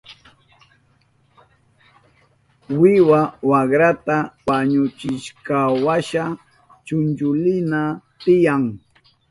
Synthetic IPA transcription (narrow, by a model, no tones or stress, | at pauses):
wɪwawakɾat̪awaɲʊt͡ʃɪʃkawaʃa | t͡ʃʊnt͡ʃʊlɪnat̪ɪjaŋ